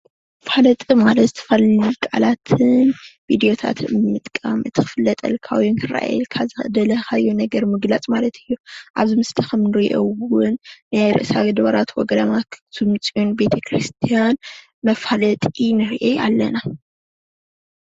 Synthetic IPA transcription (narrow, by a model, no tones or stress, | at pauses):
falɐt̪ʼimalɐt̪zt̪ʰɐ̥fɐlikʼa̰lat̪ʰɨnvid̪ijo̞t̪ʰa̰t̪ʰɨmɨt̪ʼkʼa̰mʔɨt̪ʰɨxɨfɨlːɐt̪ʼɐ̰lkʰa̰wjinkʰɨɾa̰ʔa̰jɛ̰lkʰazɨd̪ɐlɐxajonɐɡɐɾmɨɡlat͡sʼmalɐt̪ʰɨjːoʔaβzimɨslɐxɐmnɨɾiʔowʊnːajɾɨ̰ʔsaɡɐd̪βɐɾat̪wɔ̰ɡɐd̪amaktʰɨmt͡sʼionbe̞t̪ʰɐkʰɾist̪ʰijan | mɐfalɐt̪ʼinɨɾʔeja̰lːɐna